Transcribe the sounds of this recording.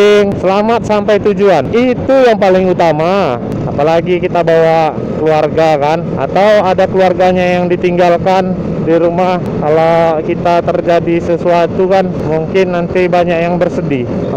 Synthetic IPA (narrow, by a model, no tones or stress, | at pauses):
ŋsəlamat̪̚sampajt̪ud͡ʒuanit̪ujaŋpalɪŋut̪ama | apalaɡikit̪abawa | kəluarɡakan | a̰t̪awadakəluarɡaɲajaŋdit̪iŋɡalkan | diɾumahkalakit̪at̪ərd͡ʒadisəsuat̪ukanmuŋkɪnːant̪ibaɲak̚jaŋbərsədi